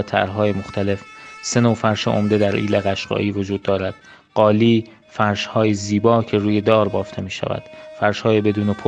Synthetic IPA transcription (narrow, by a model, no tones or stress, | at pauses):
t̪ʰæ̰ɾɦɒːjemoxt̪ʰæle̞fse̞noːfæɾʃḛʔo̰md̪e̞d̪æɾʔḭːleɣæʃɢ̥ɒ̰ːʔiːvod͡ʒuːd̪̚ːɒːɾæd̪̥ | ɢ̥ɒːliː | fæɾʃhɒːjeziːbɒːcʰe̞ɾuːje̞d̪ɒːɾbɒːft̪ʰe̞miːʃæ̰væ̰d̪̥fæɾʃhɒːjebe̞d̪uːnepʰo